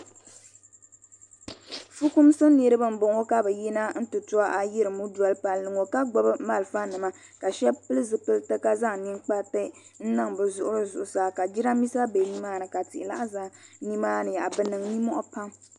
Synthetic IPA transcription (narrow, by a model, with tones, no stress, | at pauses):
fu˦ku˦msɨ˦ni˨ɾɨ˦bɨ˦m̩˦bo˨ŋo˦ka˦bɛ˨ji˦na˦n̩˦tɨ˨tʊ˦a˦ʔa˨ji˦ɾɨ˨mu˦du˨a˨lpa˨lnɨ˨ŋo˨ka˦ɡ͡bɔ˨˦bɨ˦ma˦lfa˦nɨ˨ma˦ | ka˨ʃɛ˦bpɨ˦lɨ˦zɨ˨pɨ˦ltɨ˦ka˦za˦ŋ˨ni˦ŋk͡pa˦tɨ˦ | n̩˦nɨ˦ŋbɨ˨zʊ˨ʔʊ˦ɾɨ˦zʊ˨ʔʊ˨saː˦ka˨d͡ʒi˦ɾa˦mi˦sa˦be˨ni˦maː˦nɨ˨ka˨tɪ˨ʔɪ˨la̰˦ʔa˦za˨ni˦maː˦nɨ˨ja˨ʔbɨ˦nɨ˨ŋni˦mɔ˦ʔɔ˦pa˦m